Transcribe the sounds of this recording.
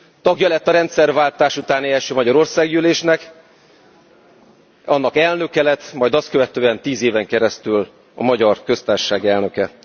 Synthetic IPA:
t̪ɒɡjɒlɛt̪ːɒɾɛnt̪sɛrvaːlt̪aːʃut̪aːniɛʃøːmɒɟɒɾo̞rsaːɡjyleːʃnɛk | ɒnːɒkɛlnø̞kɛlɛt̪ːmɒjd̪ɒst̪̚kø̞vɛt̪øːɛnt̪iːzeːvɛŋkɛɾɛst̪yl | ɒ̰mɒɟɒrkø̞st̪aːrʃaːɡɛlnø̞kɛ

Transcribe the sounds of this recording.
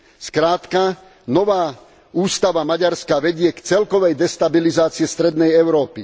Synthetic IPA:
skɾaːt̪ka | nɔʋaː | uːst̪aʋamaɟaɾskaʋɛɟɪɛkt͡sɛlkɔʋɛjd̪ɛst̪abilizaːt͡siɛst̪ɾɛd̪nɛjɛʊɾɔːpi

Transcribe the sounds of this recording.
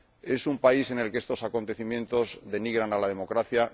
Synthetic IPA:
e̞sumpaise̞ne̞lkeest̪o̞sako̞nt̪e̞θimje̞nt̪o̞zðe̞niɣ̞ɾanalaðe̞mo̞kɾaθja

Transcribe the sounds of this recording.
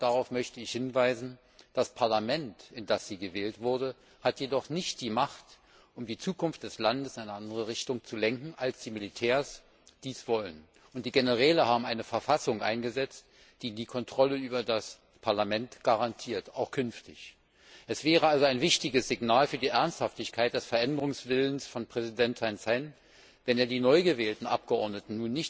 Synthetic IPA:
d̥aʁaʊfmœçtəɪçhɪnvaɪzn̩ | d̥aspʰaɐlamɛntʔɪnd̥asz̥iːɡəvɛːltv̥ʊɐdə | hatʰjedɔχnɪçt̚d̥iːmaχt | ʔʊmdiːt͡suːkʰʊnftd̥ɛslandəsɪnaɪnəʔandəʁəʁ̞ɪçtʊŋt͡sulɛŋkŋ̩ʔalsd̥iːmɪlitʰɛːɐs | d̥iːsv̥ɔlən | ʔʊntd̥iːɡenəʁ̞ɛːləhaːbm̩ʔaɪnəfɛɐfasʊŋʔa̰ɪnɡəzɛt͡st | d̥iːdiːkʰɔntʁ̥ɔləyːbɐdas | pʰaɐlamɛntɡ̥aʁantʰiːɐtaʊxkʰʏnftɪç | ʔɛsv̥ɛːʁ̞əalzoaɪnvɪçtɪɡəsz̥ɪɡnaːlfyːɐdiːʔɛɐnsthaftɪçkʰaɪt̚d̥ɛsfɛɐʔɛndəʁ̞ʊŋsv̥ɪlənsfɔnpʁ̥ɛzidɛntʰːaɪnsɛɪn | vɛneːɐdiːnɔʏɡəvɛːltn̩ʔa̰p̚ɡ̥əʔɔɐdnətn̩nuːnːɪçt

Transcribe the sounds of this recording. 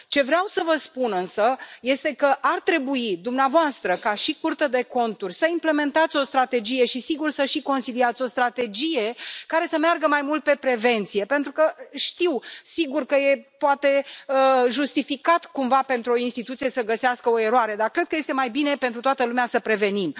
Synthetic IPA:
t͡ʃe̞vɾeawsəvəspunɨnsəje̞st̪e̞kəʔart̪ɾe̞buid̪umneavoast̪ɾəkaʃikurt̪əd̪e̞ko̞nt̪urʲsəimple̞me̞nt̪at̪sʲo̞st̪ɾat̪e̞d͡ʒije̞ʃisiɡursəʃiko̞nsiliat̪sʲo̞st̪ɾat̪e̞d͡ʒije̞kaɾe̞səmearɡəmajmult̪̚pe̞pɾe̞ve̞nt̪sije̞pe̞nt̪ɾukəʃt̪iwsiɡurkəje̞poat̪e̞əʒust̪ifikat̪kumvape̞nt̪ɾuo̞inst̪it̪ut̪sije̞səɡəseaskəo̞e̞ɾoaɾe̞d̪arkɾe̞d̪̚kəje̞st̪e̞majbine̞pe̞nt̪ɾut̪oat̪əlumeasəpɾe̞ve̞nim

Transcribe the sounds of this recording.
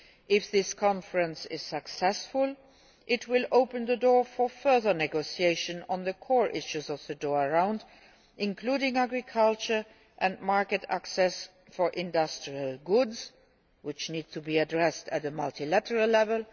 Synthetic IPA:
ʔɪfðɪskʰɑ̃nfəɹə̃nsɪz̥səksɛsfʊl | ʔɪtʰwɪloʊpə̃nðədɔɹfə˞fɜ˞ðə˞nɛɡoʊsieɪʃə̃nə̃nðəkʰɔɹʔɪʃuzɔvðədɔːɹəɹãʊ̃nd | ʔɪ̃nkʰl̥uːɾɪ̃ŋæɡɹɪkʰʌlt͡ʃə˞ | ʔə̃nmaɹkətæ̰ksɛs | fɔ˞ʔɪ̃ndʌstɹ̥iəlˠɡʊdz | wɪt͡ʃniːd̚tʰubiədɹɛstətəmʌltʰilætəɹəllːɛvəlˠ

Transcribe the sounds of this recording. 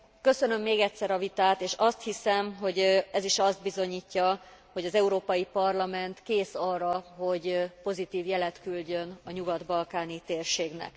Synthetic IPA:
kø̞sø̞nø̞mːeːɡɛtʲsɛɾɒvit̪aːt̪eːʃɒst̪hisɛmɦo̞ɟɛziʃɒzd̪̚bizo̞ɲiːcːɒho̞ɟɒzɛuɾoːpɒjipɒrlɒmɛnt̪keːsɒrɒɦo̞ɟpo̞zit̪iːvjɛlɛt̪kylɟø̞nɒɲuɡɒd̪bɒlkaːnit̪eːrʃeːɡnɛ̰k

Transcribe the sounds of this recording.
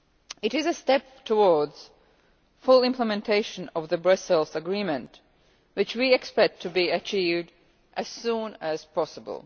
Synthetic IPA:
ɨɾɨzɨstɛp | tʰəwɔɹdz̥ | fʊlˠɪ̃mpʰləmɨ̃ntʰeɪʃɨ̃nʌvðɨbɹʌsəlˠzəɡɹĩmɨ̃nt | wɨt͡ʃwiɛkspɛk̚tʰɨbiɨt͡ʃʰivd | ʔɨz̥sũnɨz̥pʰɑsəbə̰l̩ˠ

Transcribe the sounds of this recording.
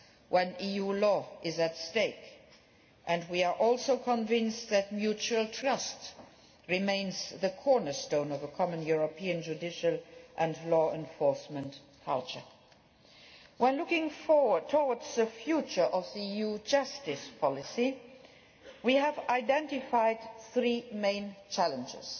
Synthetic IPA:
wʔə̃nijulɔɪzɨtsteɪk | ʔɨ̃ndwiə˞ʔɔlˠsoʊkʰə̃ɱvɪ̃nstðɨt̚mjut͡ʃuəlˠtʰɹ̥ʌst | ɹɨmẽɪ̃nzðɨkʰɔɹnə˞stõʊ̃nʌvəkʰɑmə̃njuɹəpʰiɨ̃nd͡ʒudɪʃəlˠʔɨ̃nlɔɛ̃ɱfɔɹsmə̃nt | kʰʌ̰lˠt͡ʃə̰˞ | wə̃nlʊkɪ̃ŋfɔɹwə˞d̚tʰɔwə˞dzðɨfjut͡ʃə˞ʔʌvðiijud͡ʒʌstɪspʰɑlɪsi | wiəvaɪdɛ̃ntɨfaɪd̚θɹimẽɪ̃nt͡ʃʰælə̃nd͡ʒɪ̰z̥

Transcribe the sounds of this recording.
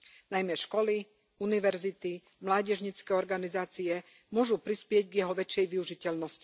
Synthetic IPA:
najmɛʃkɔli | uniʋɛɾzit̪i | mlaːɟɛʒɲit͡skɛːɔɾɡanizaːt͡siɛ | mʊɔʒupɾispɪɛɟɡjɛɦɔʋɛt͡ʃjɛjʋiuʒicɛʎnɔsci̥

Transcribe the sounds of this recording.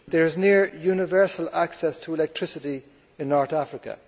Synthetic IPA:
ðəɹɪznɪəɹjunɪvɜ˞səlaksɛstʰəɪlɛk̚tʰɹ̥ɪsɪɾi | ɪ̃nːɔɹθafɹɪkə̰

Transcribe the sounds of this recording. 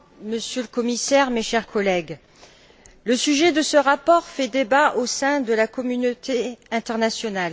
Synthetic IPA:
məsjøləkɔmisɛʁmeʃɛʁkʰɔlɛɡ | ləsyʒɛd̪əsəʁapɔʁfɛd̪ebaʔosɛ̃d̪əlakɔmynot̪ʰeɛ̃t̪ɛʁnasjɔnal

